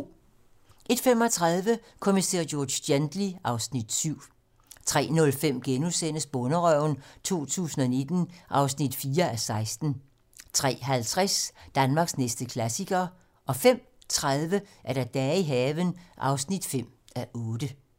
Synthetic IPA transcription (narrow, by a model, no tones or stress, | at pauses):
ʔe̝d̥fem̰ɒt͡sʰʁɑðˠʋə | kʰomise̝̰ːɐjɔːd̥end̥liʔɑ̈ʊsnid̥syʊ̰ | t͡sʰʁɛ̰ːnɔ̽lfem̰ɡ̥enusen̰əsb̥ɔnəʁœʊnt͡sʰo̝̰ːt͡sʰṵːsn̩ɒ̽ne̝d̥n̩ʔɑ̈ʊsnid̥fiːɐæsɑ̈ɪsd̥n̩ | t͡sʰʁɛ̰ːɦælt͡sʰʁasd̥ænmɑ̈ːɡ̥snesd̥əkʰlæsiɡ̥ɐ | ʔɒ̽fem̰ | t͡sʰʁaðˠʋəʔæɐɾ̥ɑ̈d̥ɛːiɦɛːʋənʔɑ̈ʊsnid̥fem̰æʔɔ̽ːd̥ə